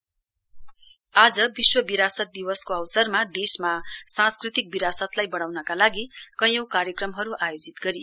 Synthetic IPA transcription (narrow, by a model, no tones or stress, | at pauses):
ad͡zʌbiswʌbiɾasʌt̪̚d̪iwʌskoʌwsʌrmad̪esmasãnskrit̪ik̚biɾasʌt̪lajbʌɽ̃awnʌkalaɡikʌjowkaɾjʌkrʌmɦʌɾuʔajod͡zit̪ɡʌɾij